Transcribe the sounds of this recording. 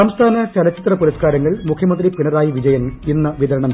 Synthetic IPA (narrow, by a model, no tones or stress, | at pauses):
ɐmst̪ʰaːnɐt͡ɕɐlɐt͡ɕːit̪rɐpuɾɐskaːɾɐŋːɐɭmukʰjɐmɐnd̪ripiɳɐɾaːjiʋid͡ʑɐjɐninːɐʋiðɐɾɐɳɐm